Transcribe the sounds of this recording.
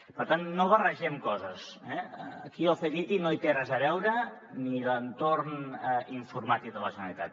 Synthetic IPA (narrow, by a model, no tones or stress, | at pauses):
pəɾt̪anːoβərəʒɛmkɔzəs | ɛːkiəlˠfeɣit̪inoit̪eɾazəβɛwɾə | nilənt̪oɾnɛiɱfuɾmat̪ik̚ðələʒənə̰lit̪a̰t̪̚